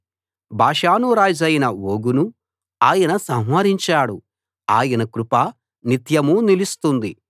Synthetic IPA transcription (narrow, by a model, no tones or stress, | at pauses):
bʱaːʂaːnuɾaːd͡ʒɐjinɐwoːɡunu | aːjɐnɐsɐ̃ɦʋɐɾiɲt͡ʃaːɽu | aːjɐnɐkɾupa | nit̪jɐmuːnilist̪und̪i